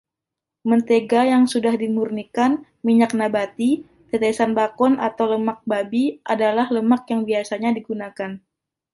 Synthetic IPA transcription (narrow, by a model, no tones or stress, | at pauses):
mənt̪eɡajaŋsudahdimurnikan | miɲak̚nabat̪i | t̪et̪esanbakɔna̰t̪awləmak̚babiʔadalahləmak̚jaŋbiasaɲadiɡunakan